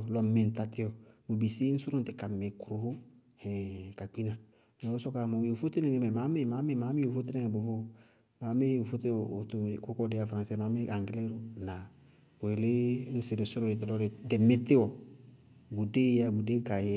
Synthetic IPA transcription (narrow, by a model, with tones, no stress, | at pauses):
lɔ˦me˨n̩˨ta˨tɪ˦ɔ˨bo˨bi˨si˦n̩˦su˦ɾo˦nte˨ka˨me˨kɾu˨ɾo˦ | hɛ̃˨ka˨k͡pi˦na˨ | n˨ɔ˨o˦sɔ˦ka˨mɔ˨jo˨fo˦te˦ne˨ŋe˨˦mɛ˨ma˨˦me˦ma˨˦me˦˨ma˨˦me˦o˨fo˦te˦ne˦ŋe˨bo˨vo˦ | ma˨˦me˦o˨fo˦te˦˨o˨to˨ko˦kɔ˦de˨˦a˨fɾã˨sɛ˦ma˨˦me˦a˨ŋɡle˦ɾo˨na˨ | bo˨e˨le˦n̩˦se˨de˨so˦ɾo˦e˨t̬e˨lɔ˦ɾe˨dɛ˨me˦te˦wɔ˨ | bu˨de˦ja˦˨bu˨de˦ka˨j